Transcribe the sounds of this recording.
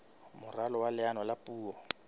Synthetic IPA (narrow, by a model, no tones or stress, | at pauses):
mʊralɔwalɪanɔlapʼuːɔ